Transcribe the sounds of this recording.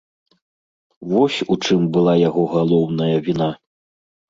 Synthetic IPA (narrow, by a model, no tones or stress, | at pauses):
vɔsʲut͡ʂɨmbɨlˠajaɣɔɣalˠɔwnɐjɐvʲina